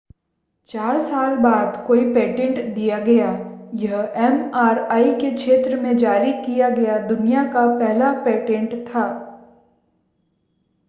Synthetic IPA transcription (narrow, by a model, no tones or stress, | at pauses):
t͡ʃaːɾsaːlbaːd̪koːipeːʈẽɳʈd̪ijaɡɐjaːjɐɦɛmaːɾaːikekʃeːt̪ɾəmẽd͡ʒaːɾikijaɡɐjad̪ʊnijakapɛɦlapeːʈẽɳʈt̪ʰaː